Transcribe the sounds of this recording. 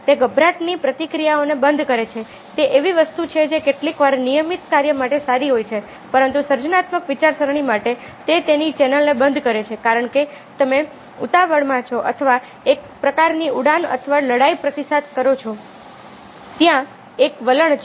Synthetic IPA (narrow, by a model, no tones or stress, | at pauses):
t̪eɡəbʱɾaʈnipɾət̪ikɾijaonebənd̪ʱkəɾet͡ʃʰe | t̪eʔeʋiʋəst̪ut͡ʃʰed͡ʒekeʈlikʋaɾnijəmit̪kaɾjəmaʈesaɾiɦojt͡ʃʰe | pəɾənt̪usəɾd͡ʒənat̪məkʋit͡ʃaɾsəɾɳ̃imaʈe | t̪et̪enit͡ʃɛnəlnebənd̪ʱkəɾet͡ʃʰekaɾəɳke | t̪əme | ut̪aʋəɽmãt͡ʃʰoʔə̰t̪ʰəʋa | ek̚ | pɾəkaɾniuɽanə̰t̪ʰʋaləɽaipɾət̪isat̪kəɾot͡ʃʰo | t̪jã | ekʋələɳ